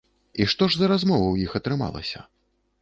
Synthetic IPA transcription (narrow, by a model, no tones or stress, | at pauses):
iʂt̪ɔʐzɐɾazmɔvɐwjixɐt̪ɾɨma̰lˠɐ̰sʲɐ̰